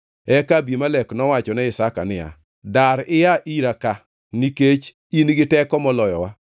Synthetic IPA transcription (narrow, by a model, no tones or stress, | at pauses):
ɛkabimalɛknɔwat͡ʃɔnɛɪsaka̰nɪa̰ | daɾɪjaʔiɾaka | niket͡ʃ | inɡɪtɛkɔmɔlɔjɔwa